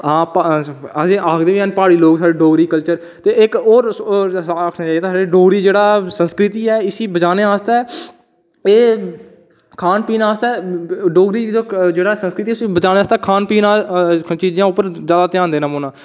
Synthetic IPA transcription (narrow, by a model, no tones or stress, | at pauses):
ɦãːpəsẽːʔaːkʰd̪eːʋiːəːnpaːɽiːloːɡsaːɖeːɖoːɡɾiːkəlt͡ʃəɾ | t̪eːɪkoːɾ | kʰnãːt͡ʃaːjɛt̪ːsaːɖeːɖoːɡɾiːd͡ʒeːɽaːsənskɾɪt̪iːɛːɪsiːbət͡ʃaːneːaːst̪aː | eː | kʰaːnpiːnaaːst̪aːɖoːɡɾiːd͡ʒeːɽaːsə̃nskɾɪt̪iːʊsiːbət͡ʃaːneːaːst̪aːkʰaːnpiːnãːt͡ʃiːzjãːʊpːəɾzjaːd̪aːt̪ɪjãːnd̪eːnãːmoːnãː